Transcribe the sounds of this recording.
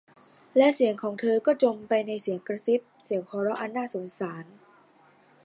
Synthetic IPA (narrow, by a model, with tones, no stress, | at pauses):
lɛ˦˥ʔsi˨˩˦əŋkʰɔː˩˦ŋt̪ʰɤː˧kɔː˥˩t͡ɕo˧mpa˧jna˧jsi˨˩˦əŋkɾa˧si˦˥p̚si˩˦əŋkʰɔː˧ɾɔ˦˥ʔa˧nːaː˥˩so˩˦nsaː˩˦n